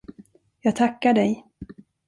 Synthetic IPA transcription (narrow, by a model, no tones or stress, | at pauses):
jɑːɡ̚t̪ʰakːaɖɛj